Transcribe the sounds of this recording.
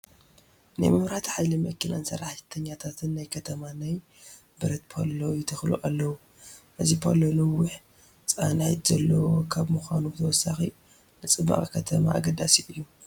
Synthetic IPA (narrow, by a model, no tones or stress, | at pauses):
na̰jmɨmɾat̪ʰħajlimɐkːina̰nsɐ̰ɾːaħt̪ʰɐɲːat̪ʰat̪ʰɨnːajkʰɐt̪ʰɐmanaj | bɨɾɐt̪̚pʰo̰lojɪt̪ʰɨxlṵʔalːɐwu | ʔɨzipʰolonɨwʊħ | t͡sʼanajt̪z̥ɐlːɐwokʰaβmuxʷanubɨt̪ʰɐwɔsaxi | nɨt͡sʼɨbːɐ̰χʼkʰɐt̪ʰɐma̰ʔa̰ɡɐd̪asiʔɨjːu